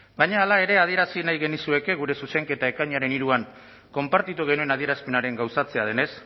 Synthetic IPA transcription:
bajɲaːlae̞ɾe̞að̞ie̞ɾasinajɣe̞nisue̞ke̞ɣuɾe̞suse̞ŋke̞t̪ae̞kaɲaɾe̞niɾuaŋ | ko̞mpaɾt̪it̪uɣ̞e̞nue̞naðie̞ɾaspe̞naɾe̞ŋɡawsat͡se̞að̞e̞ne̞s

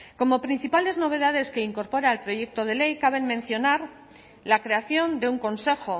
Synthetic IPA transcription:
ko̞mo̞pɾin̟θipald̪e̞zno̞βe̞ðað̞e̞ske̞iŋko̞ɾpo̞ɾaelpɾo̞ʝe̞k̚t̪o̞ð̞e̞le̞jkaβe̞nmẽ̞n̟θjo̞naɾ | lakɾe̞aθjo̞nd̪e̞uŋko̞nse̞xo̞

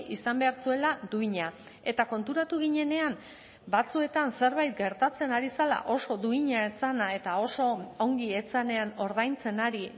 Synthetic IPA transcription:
ʔisambe̞aɾt͡sue̞lad̪uiɲa | e̞t̪ako̞nt̪uɾat̪uɣiɲe̞ne̞am | bat͡sue̞t̪anse̞ɾβajt̪̚ɡe̞ɾt̪at͡se̞naɾisala̰ʔo̞so̞d̪uiɲae̞t͡sanae̞t̪ao̞so̞o̞ŋɡie̞t͡sane̞ano̞ɾð̞ajnt͡se̞naɾi

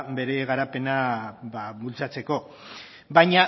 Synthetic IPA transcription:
be̞ɾe̞ɣaɾape̞nabaβult͡sat͡se̞ko̞ | bajɲa

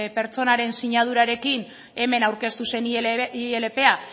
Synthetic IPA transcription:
pe̞ɾt͡so̞naɾe̞nsiɲað̞uɾaɾe̞kin | e̞me̞nawɾke̞st̪use̞nielepe̞a

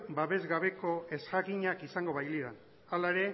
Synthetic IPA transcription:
baβe̞zɣaβe̞ko̞e̞skaɣiɲakisaŋɡo̞βajliðan | alaeɾe̞

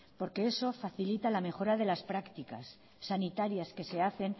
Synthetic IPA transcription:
po̞ɾke̞e̞so̞faθilit̪alame̞xo̞ɾaðe̞laspɾakt̪ika̰sː | anit̪aɾjaske̞se̞aθe̞n

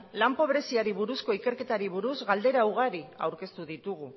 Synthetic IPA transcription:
lampo̞βɾe̞siaɾiβuɾusko̞ike̞ɾke̞t̪aɾiβ̞uɾuzɣald̪e̞ɾauɣ̞aɾia̰wɾke̞st̪uðit̪uɣ̞u

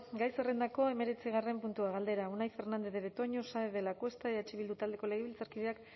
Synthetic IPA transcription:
ɡajserend̪ako̞e̞me̞ɾe̞t͡siɣ̞are̞mpunt̪uaɣald̪e̞ɾaunajfe̞ɾnand̪eðeβet̪o̞ɲosaeðelakwe̞st̪aeðaet͡ʃeβild̪ut̪ald̪e̞ko̞le̞ɣ̞eβilt͡saɾkiðeak

